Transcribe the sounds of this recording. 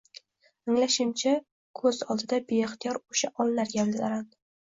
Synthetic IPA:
aŋlaʃɪmt͡ʃʰa | kʰɵz̥ɒlˠd̪ɪd̪abeɪχt̪ʰijɒɾoʃaʔɒlˠːaɾɡʲablɪd̪aɾan

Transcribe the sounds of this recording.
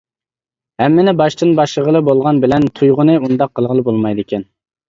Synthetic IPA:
hɛmːɪnɪbɑʃt̪ɨnbɑʃlˠəʁəlˠɨbolˠʁɑnbɪlɛnt̪ʰujʁʊnɨund̪ɑqʰːəlˠʁəlˠɨbolˠmɑjd̪ɪkʲʰɛn

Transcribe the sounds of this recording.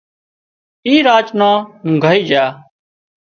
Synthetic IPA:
iːɾaːt͡ʃnãːɡʱaːiːd͡ʒjaː

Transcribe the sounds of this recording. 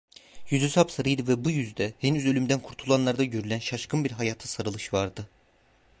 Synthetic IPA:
jyzysapsaɾɯjd̪ɯvɛbujyzd̪ɛhenyzø̞lʲymd̪ænkʰuɾt̪ʰulˠanlˠaɾd̪aɟøɾylʲænʃaʃkʰɯnbiɾɦajaːt̪ʰasaɾɯlˠɯʃvaɾd̪ɯ

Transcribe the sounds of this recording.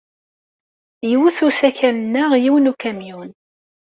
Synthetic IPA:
jiwuθusæçænənːəʁjiwnukæmjun

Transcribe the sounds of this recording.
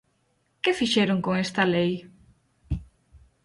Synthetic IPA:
kefiʃeɾoŋkoŋest̪ɐlej

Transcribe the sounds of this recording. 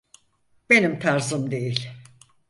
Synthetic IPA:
be̞nimt̪ʰaɾzɯmd̪e̞jilʲ

